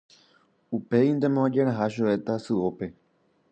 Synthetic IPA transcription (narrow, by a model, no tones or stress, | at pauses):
upe̞ind̪e̞mõd͡ʒe̞ɾ̃ãɦaʃue̞t̪asɨope̞